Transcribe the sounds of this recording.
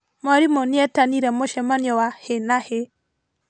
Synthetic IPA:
mɔɾimoniɛtaniɾɛmoʃɛmanjɔwahenahe

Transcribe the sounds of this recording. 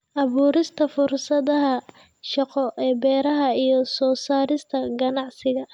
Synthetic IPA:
ʔɐβuːɾɪst̪ʰɐfʊrsɐðɐɦɐ | ʃɑqɔʔɛːbɛːɾɐɦɐijɞsɔːsaːɾɪst̪ʰɐɡɐnɑʕsɪɣɐ

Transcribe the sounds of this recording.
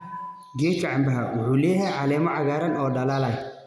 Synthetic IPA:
ɡɛːŋkʰɐʕambɐɦɐwʊħuːlɛːjɐjʕɑlɛːmɔʕɑɣaːɾɐnɔːɖɐlalɐj

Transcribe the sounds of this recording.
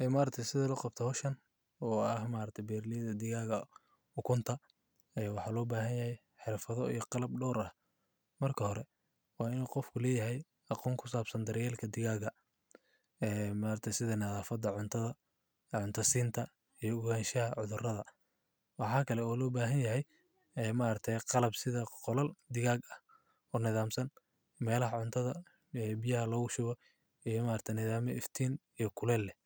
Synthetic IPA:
ʔɛːmaːɾɐt̪ʰɐjsɪðɐlɐqɑb̚t̪ʰɐhɔʃɐn | ɔːɐhmaːɾɐt̪ʰɐjbɛːrlɪjɐðɐd̪ɪɣaːɣɐ | ʊkʰʊnt̪ʰɐ | ɛwɑħɑːlɔːbaːɦɐnjɐhɛj | ħɪrfɐðɔḭjɔqɑlɐb̚ɖɔːɾɐh | mɐrkʰɐhɔɾɛ | wɑːɪnuːqɔfkʰʊlɛːjɐɦɛj | ɑqɔːŋkʰʊsaːbsɐnd̪ɐɾjɛːlkʰɐd̪ɪɣaːɣɐ | ɛːmaːɾɐt̪ʰɛjsɪðɐnɐðaːfɐd̪ɐʕʊnt̪ʰɐðɐ | ʕʊnt̪ʰɐsiːnt̪ʰɐ | ijɔʊɣaːnʃɐhɐʕʊðʊrɐðɐ | wɑħɑːkʰɐlɛɔːlɔːbaːɦɐnjɐɦɛj | ɛːmaʔɾɐt̪ʰɛjqɑlɐbsɪðɐqɔlɐld̪ɪɣaːɡɐh | ɔːnɪðaːmsɐn | mɛːlɐɦɐʕʊnt̪ʰɐðɐ | ɛːbɪjɐɦɐlɔːɣʊʃʊɣɔ | ijɔmaːɾrt̪ʰɐjnɪðaːmɛɪft̪ʰiːnijɞkʰʊlɛːlːɛ

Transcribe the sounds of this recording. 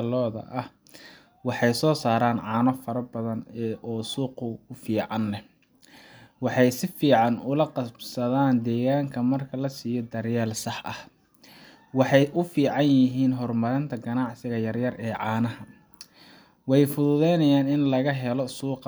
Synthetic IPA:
lɔːðɐ̰ʔɐh | wɑħɑjsɔːsaːɾaːnʕɑːnɔfɐɾɐbɐðɐnːʔɔːsuːqʊʊfiːʕɑnlɛ | wɑħɑjsɪfiːʕɑnʊlɐqɑbsɐðaːnd̪ɛːɣaːŋkʰɐmɐrkʰɐlɐsiːjɔd̪ɐrjaːlsɑħʔɐh | wɑħɑjʔʊfiːʕɑnjɪɦiːnɦɔrmɐɾɪnt̪ʰɐɡɐnɑʕsɪɣɐjɐrjɐrɛːʕɑːnɐɦɐ | wɛjfʊðʊðɛjnɐjaːnɪnlɐɣɐɦɛlɔsuːq

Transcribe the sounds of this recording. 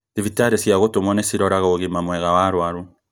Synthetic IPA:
tivitaɾesjaɣotomwɔnesiɾɔɾaɣaoɣimamwɛɣawaɾwaɾu

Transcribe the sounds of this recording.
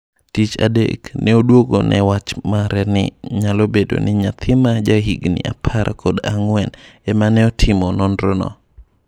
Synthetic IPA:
tit͡ʃa̰dḛknʔɛodwoɡonʔɛwat͡ʃmaɾɛnɪ̰ɲalobedo̰nɪɲat̪ʰɪmad͡ʒaɦiɡnɪ̰a̰pʰaɾkʰodaŋwɛnɛmanɛɔtʰɪmɔnɔndɾɔnɔ̰

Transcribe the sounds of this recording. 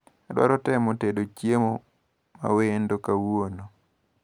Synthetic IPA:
adwa̰ɾɔtɛmotedot͡ʃjemo | ma̰wendokawono

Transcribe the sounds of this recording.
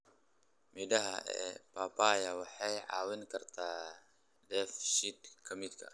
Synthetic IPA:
midɐɦaʔɛ̰papajawaħajʕa̰winkɐrt̪ʰa | dɛfʃit̪kʰɐmit̪̚kʰa̰

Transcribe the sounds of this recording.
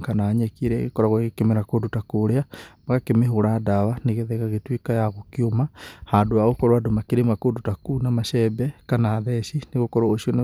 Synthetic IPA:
kanaɲɛkiɾɛɣḛkɔɾaɣwɣekemeɾakodutakoɾeamaɣakemeɦoɾadaβaneɣeðɛɣaɣetwikajaɣokiomahandoaɣokɔɾwadomakeɾemakodutakunamaʃɛbɛkanaːðɛʃineɣokɔɾaoʃion

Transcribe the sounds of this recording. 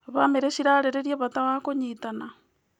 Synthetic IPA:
βameɾeʃiɾaɾeɾeɾjeβataβakoɲitana

